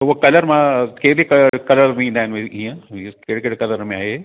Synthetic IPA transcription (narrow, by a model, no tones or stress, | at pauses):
tʊokɐləɾmãkeːdikkɐləɾmĩːnd̪aɦɪnɪmeĩːə̃keɽkeɽkɐləɾmẽaːɦeː